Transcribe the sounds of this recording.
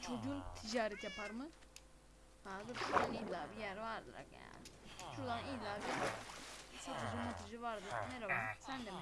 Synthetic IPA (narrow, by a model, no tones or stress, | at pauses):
t͡ʃʰo̞d͡ʒunt̪ʰid͡ʒaːɾɛt̪japʰaɾmɯ | haːzɯɾʃud̪anilaːbijæɾvaɾ̰ɾa̰kja̰nʃud̪anilˠaːbia | sat̪ʰɯd͡ʒumut̪ʰid͡ʒɯvaɾd̪ɯnɛɾavasænd̪ɛm